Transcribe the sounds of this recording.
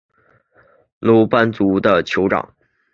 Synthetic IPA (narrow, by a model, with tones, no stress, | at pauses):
lo˧˥ʊpa˥nt͡su˧˥d̪ə˧t͡ɕʰjo˧˥ʊʈ͡ʂɑ̰˨˩˦ŋ